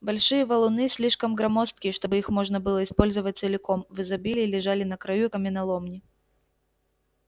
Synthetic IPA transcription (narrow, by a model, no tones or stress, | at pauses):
balʲʂɨjɐvɐlˠʊnɨsʲlʲiʂkɐmɡɾɐmɔst̪̚kʲiʂt̪obɨixmɔʐnɐbɨlˠəispɔlʲzɨvɐt̚ʲt̪sɨlʲɪkɔmvɨzɐbʲilʲɪlʲɪʐalʲɪnɐkɾɐjukɐmʲɪnɐlˠɔmnʲɪ